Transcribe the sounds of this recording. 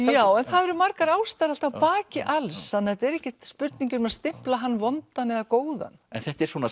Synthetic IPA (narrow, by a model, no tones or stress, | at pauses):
jaːwɛnθaðɛɾɪmaɾkaɾawst̪aɾal̥t̪awpaːcɪʔalshanːaɛt̪ɛɾɛhcɪt̪spʏɾt̪niɲcʏɾmɛðast̪ɪm̥plaɦanːvɔnt̪anɛðakoːwða̰nɛ̰nθɛht̪ɛɾswɔːna